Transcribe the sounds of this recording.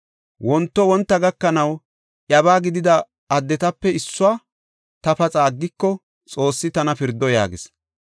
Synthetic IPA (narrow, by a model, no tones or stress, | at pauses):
wʔɔnt̪ːɔwɔnt̪ːɐɡɐkːɐnɐw | ʔjɐbaːɡɪd̪ɪd̪ɐ | ɐd̪ːɛt̪ɐpːɛɪsːʊaː | t̪ɐpɐt͡sʼaːɡːɪkːɔ | t͡sʼo̞ːsːɪt̪ɐnɐpɪɾd̪ːɔja̰ːɡɪs